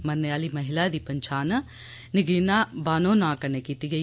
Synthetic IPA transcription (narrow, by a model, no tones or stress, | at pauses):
mɐɾneaːlimɐɦɪlad̪iːpɐɲt͡ʃʰaːn | nɪɡinabaːnõːnãːkɐnekiːt̪iɡəi